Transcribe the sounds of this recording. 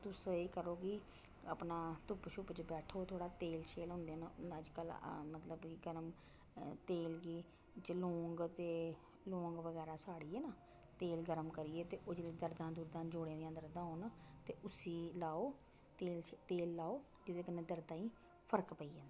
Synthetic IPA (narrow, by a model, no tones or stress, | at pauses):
t̪ʊseːkəɾoːɡi | ə̰pnaːt̪ʊpʃʊpt͡ʃəbɛːʈʰoːt̪ʰoːɽaːt̪eːlʃeːlɦʊ̃nd̪eːnnəd͡ʒkəlmət̪ləbkiɡəɾəm | t̪eːlɡiː | t͡ʃəloːŋɡt̪eː | lõːŋɡʋəɡɛːɾaːsaːɽiːeːnaː | t̪eːlɡəɾəmkəɾiːeːt̪eːʔʊd͡ʒliːd̪əɾd̪ãːd̪uːɾd̪ãːd͡ʒoːɽẽːd̪ɪjãːd̪əɾd̪ãːɦoːnt̪eːʔʊsiːlaːoː | eːlt̪eːlːaːoː | d͡ʒed̪eːkəneːd̪əɾd̪ãːĩː | pʰəɾkpəiːd͡ʒ̃ːnd̪ː